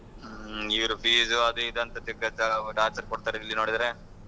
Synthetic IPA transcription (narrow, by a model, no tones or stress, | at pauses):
iʋɐɾupʰiːzʋɐd̪uid̪ɐnt̪ɐt̪ɐɡɐt͡ʃɐʈaːɾt͡ʃɐɾkɔɽt̪aːɾeilːinoːɽid̪aːɾe